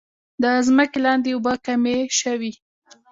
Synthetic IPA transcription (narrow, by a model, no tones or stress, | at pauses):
d̪əzməkelɑnd̪eobəkameʃəwi